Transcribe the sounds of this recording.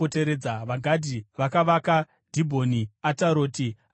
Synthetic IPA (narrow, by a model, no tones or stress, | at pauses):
ote̞ɾe̞d͡zaʋaɡʱadʱiʋakaʋaka | d̥ʱibʱo̞niataɾo̞ːti